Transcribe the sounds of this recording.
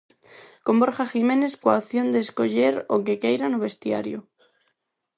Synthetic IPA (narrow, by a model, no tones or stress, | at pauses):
komboɾxaximẽneskwaoθjond̪eskoʎeɾo̰kekejɾanoβ̞est̪ja̰ɾjo̰